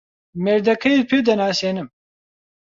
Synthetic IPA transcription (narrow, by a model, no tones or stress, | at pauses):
mɛɾd̪ɐkʰɐjepʰeːd̪ɐnaːseːnɨm